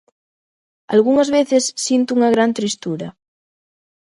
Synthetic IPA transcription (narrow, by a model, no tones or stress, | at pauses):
a̰lɣuŋazβeθesːint̪uuŋaɣ̞ɾant̪ɾist̪uɾa